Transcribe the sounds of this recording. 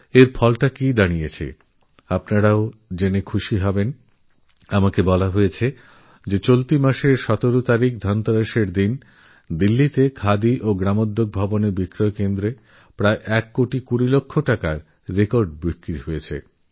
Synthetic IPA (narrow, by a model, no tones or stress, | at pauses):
eɾfɔlʈakid̪anijet͡ɕʰḛ | apnaɾaod͡ʑenekʰuʃiɦɔben | amakebɔlaɦojet͡ɕʰe | d͡ʑet͡ɕolt̪imaʃeɾʃɔt̪oɾot̪aɾik̚d̪ʱɔnt̪aɾaʃeɾd̪in | d̪ilːit̪ekʰad̪iʔoɡɾamod̪ʱːok̚bʱɔboneɾbikɾoekend̪ɾe | pɾaeʔɛkːoʈikuɾilokʰːoʈakaɾː | ekoɾɖ̚bɾikːɾiɦojet͡ɕʰḛ